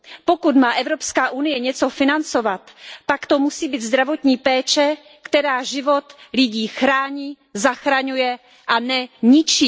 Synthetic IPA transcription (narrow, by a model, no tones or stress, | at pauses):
pokut̪maːʔɛvɾo̞pskaːʔunɪjɛɲɛt͡so̞fɪnant͡so̞vat̪pakt̪o̞musiːbiːd̪zd̪ɾavo̞t̪ɲiːpɛːt͡ʃɛ | kt̪ɛɾaːʒɪvo̞t̪lɪɟiːxɾaːɲiː | zaxɾaɲujɛ | ʔanɛɲɪt͡ʃiː